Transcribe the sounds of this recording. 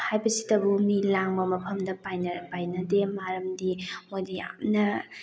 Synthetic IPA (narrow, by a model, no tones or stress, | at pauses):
hajbɐsi̥tɐbumilaŋbɐmɐpʰɐmdɐpajnpajnɐdemaɾɐmdimojdija̰mnɐ